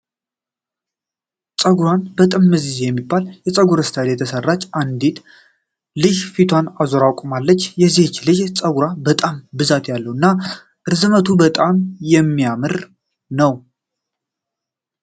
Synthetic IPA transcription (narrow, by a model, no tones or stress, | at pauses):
t͡sʼəɡuɾanbət̪ʼɨmːɨzizjɛmːibːaljɛsʼəɡuɾəst̪ʰalet̪ʰəsərːat͡ʃʼːʔand̪it̪ | lɨʒfit̪ʰwanazoɾawkʷʼumalːət͡ʃːjɛziht͡ʃːlɨd͡ʒt͡sʼəɡuɾabət̪ʼambɨzat̪jalːəwɨnːa | ʔɨɾzɨmət̪ʰubət̪ʼamjɛmːijamɨɾ | nəw